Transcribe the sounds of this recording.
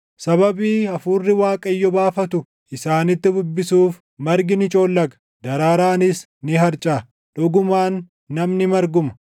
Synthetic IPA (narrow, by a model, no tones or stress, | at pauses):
sɐbɐbiːɐfuːrːɪwaːkʼɐjːɔbaːfɐt̪ʊ | ʔɪsaːnɪt̪ːɪd̪ʊbːɪsuːf | mɐɾɡɪnɪt͡ʃʼo̞ːlːɐɡɐ̥ | d̪ɐɾaːɾaːnɪs | nɪɦɐɾt͡ʃʼaː | ᶑʊɡʊmaːnː | ɐmnɪmɐɾɡʊmɐ̥